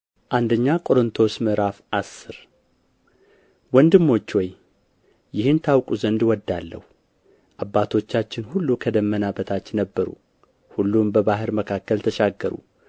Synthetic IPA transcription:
ʔand̪əɲːakʼo̞ɾɨnt̪ʰo̞smɨɾafʔasːɨɾ | wɔnd̪ɨmːo̞t͡ʃːwɔj | jɪhɨnt̪ʰawkʼuzənd̪wɔd̪ːalːə̰hu | ʔabːat̪ʰo̞t͡ʃːat͡ʃːɪnhulːukʰəd̪əmːənabət̪ʰat͡ʃːnəbːəɾṵ | hulːumbəbaɦɨɾməkʰakːəlt̪ʰəʃaɡːəɾṵ

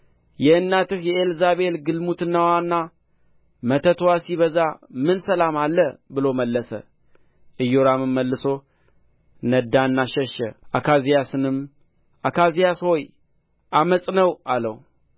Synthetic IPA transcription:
jɛɨnːat̪ɨhjɛelzaβelɡɨlmut̪ɨnːawanːa | mət̪ʰət̪ʰwasiβəzamɨnsəlamalːəbɨlo̞məlːəsə̰ | ʔɨjːoɾamɨmːəlːɨso̞ | nəd̪aɨnːaʃɛʃːəʔakʰazijasɨnɨm | ʔakʰazijasho̞j | ʔaməsʼnəwʔalə̰wu

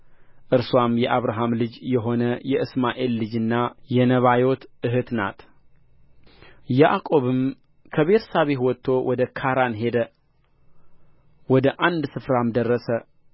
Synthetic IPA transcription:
ʔɨɾswamjɛʔaβɾaɦamlɨd͡ʒjɛɦo̞nəjɛʔɨsmaʔe̞lːɨd͡ʒɨnːajɛnəβajo̞t̪ʔɨɦɨt̪na̰t̪ | jaʔakʼo̞βɨm | kʰəβet̪ʰə̥saβehwɔt̪ʰːo̞wʔɔd̪əkʰaɾanɦe̞d̪ə | wɔd̪əʔand̪sɨfɾamd̪ərːəsə

